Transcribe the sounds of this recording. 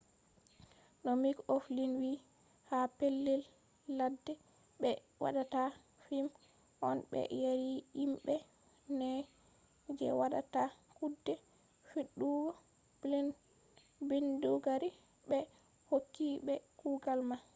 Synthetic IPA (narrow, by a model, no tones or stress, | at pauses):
nɔmikoflinwi | hapelːɛlː | adːɛ | ɓɛ | wa̰ɗata | fim | ʔɔnɓɛ̰jaɾiimɓɛ | nɛ | d͡ʒɛ̰waɗa̰takudːɛ | fiɗːuɡɔ | blin | binduɡaɾi | ɓɛ | hokːiɓɛkuɡalma